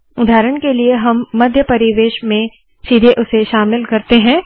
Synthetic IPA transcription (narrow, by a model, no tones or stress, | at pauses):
ʊd̪ʱaːɾəɳ̃kelieɦɐmːɐd̪ʱjəpɐɾɪʋeːʃmẽ | ʃid̪ʱeʔʊseʃaːmɪlkɐɾt̪eɦɛ̃ː